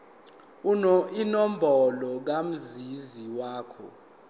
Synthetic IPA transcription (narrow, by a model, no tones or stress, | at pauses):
inɔm̩bʱɔlɔk̬am̩ziziwaːkʰɔ̰